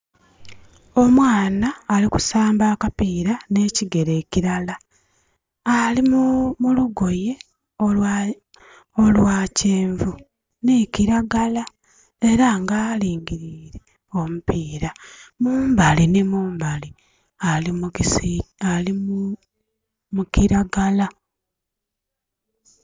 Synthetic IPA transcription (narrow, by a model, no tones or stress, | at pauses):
o̞mwaːnaːliku̥saːmbaːkapiːɾane̞ciɡe̞ɾe̞ːciɾala | alimumuluɡo̞je̞ | olwaːceːɱvu | neciɾaɡala | e̞ɾaŋɡaːliːŋɡiɾiːɾe̞ | o̞mupiːɾamuːmbalinimuːmbali | alimukisialimu | mukiɾaɡala